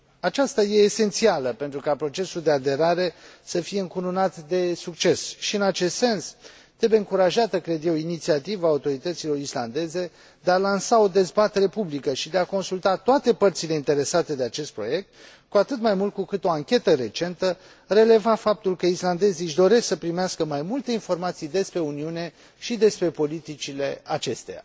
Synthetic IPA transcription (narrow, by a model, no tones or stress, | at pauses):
at͡ʃast̪aje̞ːse̞nt̪sialəpe̞nt̪ɾukapɾo̞t͡ʃe̞suld̪e̞ad̪e̞ɾaɾe̞səfije̞ɨŋkununat̪d̪e̞suk̚t͡ʃe̞sʃiɨnat͡ʃe̞st̪se̞ns | t̪ɾe̞beɨŋkuɾaʒat̪əkɾe̞d̪je̞winit̪siat̪ivaːut̪o̞ɾit̪ət̪silo̞ɾisla̰nd̪e̞ze̞ | d̪e̞alansaod̪e̞zbat̪e̞ɾe̞publikəʃid̪e̞ako̞nsult̪at̪oat̪e̞pərt̪sile̞int̪e̞ɾe̞sat̪e̞d̪e̞at͡ʃe̞st̪̚pɾo̞̰je̞k̚t̪ | kuat̪ɨt̪majmult̪̚kukɨt̪o̞aŋkʲe̞t̪əɾe̞t͡ʃe̞nt̪ə | re̞le̞vafap̚t̪ulkəisland̪e̞ziʃd̪o̞ɾe̞ssəpɾimeaskəmajmult̪e̞info̞rmat̪sijd̪e̞spɾe̞uniune̞ | ʃid̪e̞spɾe̞po̞lit̪it͡ʃile̞at͡ʃe̞st̪e̞̰ja̰